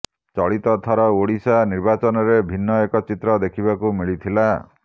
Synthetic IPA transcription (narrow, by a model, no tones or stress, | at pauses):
t͡ʃɔɭit̪ɔt̪ʰɔɾɔoɽisaniɾbat͡ʃɔnɔɾebʱinːɔekɔt͡ʃit̪ɾɔd̪ekʰibakumiɭit̪ʰila